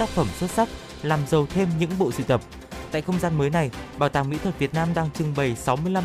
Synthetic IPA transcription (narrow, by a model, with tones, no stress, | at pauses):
taː˦˥k̚fə˧˩mswə˦˥t̚sa˦˥k̚ | laː˨˩mzə˨˩wt̪ʰe˧mɲɨ̰˧˥ŋɓo̰˧˨sɨ̰˧˨t̪ə˨˩p̚ | t̪a̰ː˧˨jxə˧wŋ͡mzaː˧nməː˨˦jna˨˩jɓaː˨˩wt̪aː˨˩ŋmḭ˧˥t̪ʰə˨˩t̚vi˨˩ət̚naː˧mɗaː˧ŋt͡ɕɨ˨˩ŋɓə˨˩jsa˨˦wmɨ˧əjla˧